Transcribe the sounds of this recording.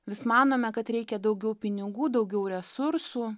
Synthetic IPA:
ʋʲɪsmɑːnoːmʲɛkɐt̪ɾʲɛɪkʲɛd̪ɒʊɡʲɛʊpʲɪnʲɪɡuːd̪ɒʊɡʲɛʊɾʲɛsʊɾsuː

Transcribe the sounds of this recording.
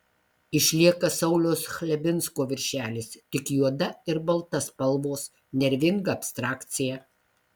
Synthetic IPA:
ɪʃʲlʲiɛkɐsɐʊlʲoːsxʲlʲɛbʲɪnskoːʋʲɪɾʲʃʲæːlʲɪst̪ʲɪkjuɔd̪ɐɪɾbɐlˠt̪ɐspɐlˠʋoːs | nʲɛɾʲʋʲɪŋɡɐɐpst̪ɾɑːkt̪sʲɪjæː

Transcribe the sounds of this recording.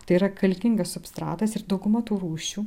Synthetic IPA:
t̪ɐɪiɾɐkɐlʲkʲɪŋɡɐssʊpst̪ɾɑ̰ːt̪ɐsɪɾd̪ɐʊɡʊmɐt̪uːɾuːʃʲuː

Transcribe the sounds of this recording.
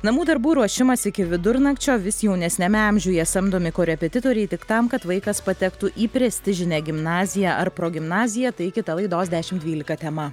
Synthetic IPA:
nɐmuːd̪ɐɾbuːɾuɔʃʲɪmɐsɪkʲɪʋʲɪd̪ʊɾnɐkt͡ʃʲoːʋʲɪsjɛʊnʲɛsʲnʲɛmʲɛɐmʲʒʲʊːjɛsɐmd̪oːmʲɪkoːɾʲɛpʲɛt̪ʲɪt̪oːɾʲɛɪt̪ʲɪkt̪ɐmkɐt̪ʋɐɪkɐspɐt̪ʲɛkt̪uʔiːpʲɾʲɛsʲt̪ʲɪʒʲɪnʲæːɡʲɪmnɑːzʲɪjæʔɐɾpɾoːɡʲɪmnɑːzʲɪjɛt̪ɐɪkʲɪt̪ɐlˠɐɪd̪oːsd̪ʲæːʃʲɪmd̪ʲʋʲiːlʲɪkɐt̪ʲɛmɐ

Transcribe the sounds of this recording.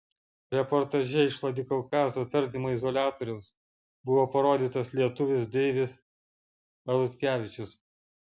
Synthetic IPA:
ɾʲɛpɔɾt̪ɐʒʲɛɪʃlˠɐd̪ʲɪkɔʊkɑːzoːt̪ɐɾʲd̪ʲɪmoːɪzɔlʲæːt̪oːɾʲɛʊs | bʊʋoːpɐɾoːd̪ʲiːt̪ɐslʲiɛt̪ʊʋʲɪsd̪ʲɛɪʋʲɪs | ɐlˠʊsʲkʲæːʋʲɪt͡ʃʲʊs

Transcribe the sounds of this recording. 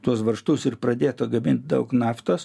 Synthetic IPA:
t̪uɔsʋɐrʃt̪ʊsɪrpɾɐd̪ʲeːt̪oːɡɐmʲɪnʲt̪̚ʲd̪ɐʊknɑːft̪oːs

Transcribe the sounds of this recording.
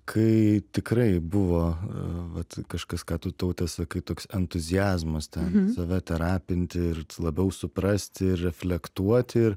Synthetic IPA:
kʰɐɪt̪ʲɪkɾɐɪbʊʋoːʋɐt̪kɐʃkɐskɑːt̪ʊt̪ɐʊt̪ʲɛsɐkɐɪt̪oːksɛnt̪ʊzʲɪjæːzmɐst̪ʲɛnsɐʋʲɛt̪ʲɛɾɑːpʲɪnʲt̪ʲɪɪɾlˠɐbʲɛʊsʊpɾɐsʲt̪ʲɪɪrɾʲɛfʲlʲɛkt̪uɔt̪ʲɪɪɾ

